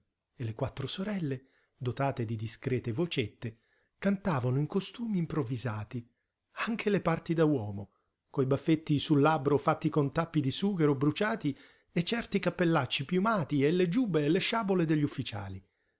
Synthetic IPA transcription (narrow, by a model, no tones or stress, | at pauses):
elekwat̪ːɾosoɾɛlːe | d̪ot̪aːt̪ed̪id̪iskɾɛːt̪evot͡ʃet̪ːe | kant̪aːvanʊiŋkost̪uːmiːmpɾovːizaːt̪i | aŋk̟ʰelepart̪id̪awɔːmo | kojbafːet̪ːisulːabɾofat̪ːikont̪apːid̪isuːkeɾobɾut͡ʃaːt̪i | et͡ʃːɛrt̪ikapːelːat͡ʃːipjumaːt̪ielːed͡ʒuːbeːleʃaːboled̪eʎːufːit͡ʃa̰ːli